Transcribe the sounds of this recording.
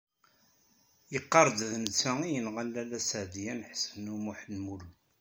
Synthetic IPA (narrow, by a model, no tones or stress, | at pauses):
jəqːɑɾˤd̪ðnət͡sːæijənʁælːælæsəʕd̪ijænħsənumʊħnmul